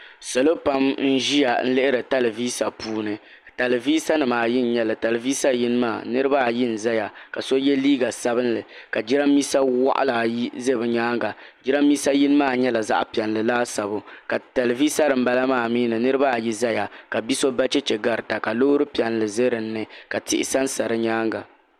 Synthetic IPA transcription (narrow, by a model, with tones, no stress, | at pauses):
so˨lo˦pa˦mn̩˦ʒi˦ja˨n̩˦lɨ˦ʔɪ˦ɾɨ˨ta˦lviː˦sa˨puː˦nɨ˨ | ta˨lɨ˨viː˦sa˦nɨ˨maː˨jɪ˦n̩˨ɲɛ˦lɨ˨ta˨lviː˦sa˦ji˦nɨ˦ma̰ː˦˨nɨ˦ɾɨ˦ba˦˨jɪ˦n̩˨za˦ja˨ka˨so˦jɛ˦liː˦ɡa˨sa˦bɨ˦nlɨ˨ka˨d͡ʒi˦ɾa˦mːi˦sa˦wa̰˦ʔa̰˦la˨jze˦bɨ˨ɲaː˦ŋɡa˨d͡ʒɪ˦ɾa˦mːiː˦sa˦ji˦n˦maː˦˨ɲɛ˦la˨za̰˦ʔpi˨ɛ˨nlɨ˨laː˦sa˨bʊ˨ka˨ta˨lvi˦sa˦ɾɨ˨m̩˦ba˦la˦maː˦˨miː˦nɨ˨nɨ˦ɾɨ˦ba˦˨ji˦za˦ja˨ka˨bi˦so˦ba˦t͡ʃɛ˦t͡ʃɛ˨ɡa˨ɾɨ˨ta˨ka˨lo˦ɾɨ˦pi˨ɛ˨nlɨ˨ze˦ɾɨ˨n̩ː˦ɨ˦ka˨tɪ̰˨ʔɪ̰˨sa˦n̩˦sa˨ɾɨ˦ɲaː˦ŋɡa˨